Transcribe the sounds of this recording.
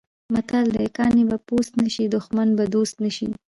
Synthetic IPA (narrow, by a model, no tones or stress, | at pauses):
mat̪ald̪əekɑnebapost̪naʃid̪ʊxmanbad̪ost̪naʃi